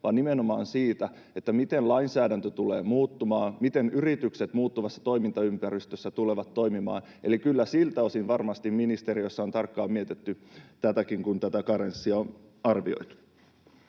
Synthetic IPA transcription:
ʋɑːnnimenomɑːnsiːt̪æ | e̞t̪ːæmit̪enlɑinsæːdænt̪øt̪ulḛːmuːt̪ːumɑːmit̪e̞nyrit̪ykset̪muːt̪ːuʋɑsːɑ̥t̪o̞imint̪ɑympæɾist̪øsːæt̪uleʋɑt̪ːo̞imimɑ̰ːn | ʔe̞likylːæsilt̪æo̞sinʋɑrmɑst̪imminist̪eɾijosːɑont̪ɑrkːɑːmiet̪et̪ːyt̪æt̪ækiŋkunt̪æt̪ækɑɾensːiɑon | ɑrʋio̞̰it̪u̥

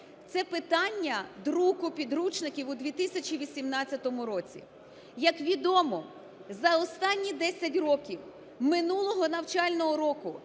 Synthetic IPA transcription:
t̪sɛpɪt̪ɑnʲːɐd̪ɾukʊpʲid̪ɾut͡ʃnɪkʲiwʊd̪ʲʋʲit̪isʲɐt͡ʃiʋʲisʲimnɑtt͡sʲːɐt̪ɔmʊɾɔt͡sʲḭ | jɐkʋʲid̪ɔmɔ | zɐɔst̪ɑnʲːid̪ɛsʲɐtʲrɔkʲiw | mɪnulˠɔɦɔnɐwt͡ʃɑlʲnɔɦɔɾɔkʊ

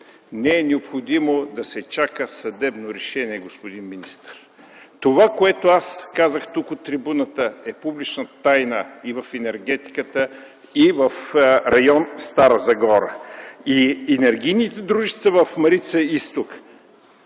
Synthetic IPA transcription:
nɛɛnɛopxod̪imod̪ɐsɛt͡ʃakəsɐd̪ɛbnoɾɛʃɛniɛɡospod̪inminist̪əɾ | t̪ovakoɛt̪oaskazəxt̪ukot̪ːɾibunət̪əɛpublit͡ʃnət̪ajnəivɐfɛnɛɾɡɛt̪i̥kət̪ə | ivəfɾɐjɔnst̪aɾəzɐɡɔɾə̰iɛnɛɾɡijnit̪ɛd̪ɾuʒɛst̪səvəfmɐɾit̪səist̪ok

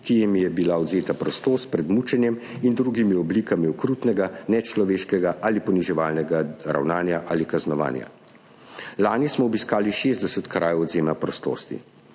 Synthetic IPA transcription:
kijɛmjɛbilaɔd̪zeːt̪apɾɔst̪oːst̪̚pɾɛd̪mut͡ʃɛnjɛmind̪ɾuːɡimiɔbliːkamiɔkɾut̪nɛɡanɛt͡ʃlɔʋeːʃkɛɡaʔalipɔniʒɛʋaːlnɛɡaɾa̰wnaːnjaʔaːlikaznɔʋa̰ːnja̰ | laːnjɛsmɔːbiskaːliʃeːzd̪d̪ɛsɛt̪kɾʔaːjɛwɔd̪zeːmapɾɔst̪o̰ːst̪ḭ

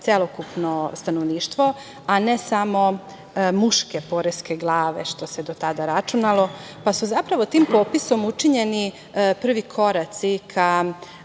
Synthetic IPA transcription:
t̪selokupno̞st̪anoʋniːʃt̪ʋo̞ | anesamo̞ | muʃkepoɾeske̞ɡlˠaːʋḛʃt̪o̞sed̪ot̪ad̪aɾat͡ʃunalˠo̞ | pasuzapɾaʋo̞t̪iːmpoːpiso̞mut͡ʃiɲeni | pr̩ʋikʰo̞ɾat̪sikʰa

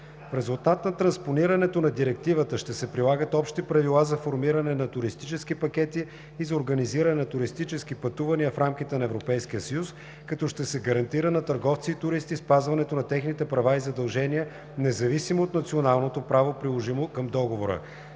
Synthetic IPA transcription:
fɾɛzulˠt̪at̪nɐt̪ɾɐnsponiɾɐnɛt̪onɐd̪iɾɛk̚t̪ivət̪əʃt̪ɛsɛpɾilˠaɡət̪ɔpʃt̪ipɾɐvilˠazɐfoɾmiɾɐnɛnɐt̪ʊɾist̪it͡ʃɛskipɐkɛt̪iː | zɐoɾɡɐniziɾɐnɛnɐt̪ʊɾist̪it͡ʃɛskipɐt̪uvɐniəfɾamk̟it̪ɛnɐɛvɾopɛjskijəsɐjus | kɐt̪ɔʃt̪ɛsɛɡɐɾɐnt̪iɾənɐt̪əɾɡɔft̪siːt̪ʊɾist̪ispazvɐnɛt̪onɐt̪ɛxnit̪ɛpɾɐvaizɐd̪ɐlˠʒɛniə | nɛzɐvisimoːt̪nɐt̪sionalˠnot̪opɾavopɾilˠoʒimokəmd̪ɔɡovoɾə̰

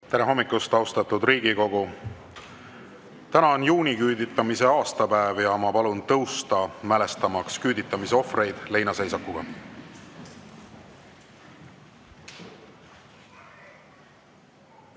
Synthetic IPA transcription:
t̪æneɦo̞mːikːˑust̪ɑwst̪ɑt̪ːud̪riːɡ̥iko̞ɡ̥u | t̪ænɑonjuːnikyːd̪it̪ːˑɑmise̞ɑːst̪ɑpæevjɑmɑpɑlunt̪ɤwst̪ɑmæle̞st̪ɑmɑkskyːd̪it̪ːˑɑmiseo̞fre̞jd̪̥le̞jnɑse̞jsɑkːuɡ̥ɑ̰

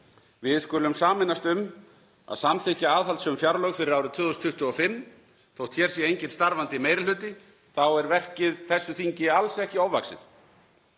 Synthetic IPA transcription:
vɪðskʏlʏmsaːmɪnast̪ʏm | a̰ðsamθɪhcaaːðɦalt̪sʏmfjaɾlœɣfɪɾɪɾawɾʏt̪ʰvʏːðɔst̪ʰʏht̪ʏɔfɪmː | θowht̪ʰçɛɾsjɛejɲcɪn̥t̪st̪aɾvant̪ɪmejɾɪlʏːt̪ɪ | θawɛɾvɛr̥cɪðθɛsːʏθiɲcɪalsɛhcɪowvaksɪ̰ð

